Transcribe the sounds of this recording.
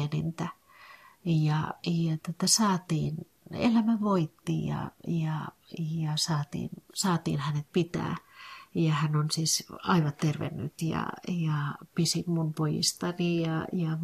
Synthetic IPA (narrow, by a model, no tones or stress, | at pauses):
enint̪æ | jɑjɑt̪ŏt̪æsɑːt̪iːn | ḛlæmæʋoit̪ːḭjɑ̰jɑ | jɑsɑːt̪ḭːnsɑːt̪ḭːnhænet̪̚pit̪æ̰ːjɑhænonsisɑiʋɑt̪t̪erʋḛnːy̰t̪jɑ̰jɑpisimmunpojḭst̪ɑnijɑjɑ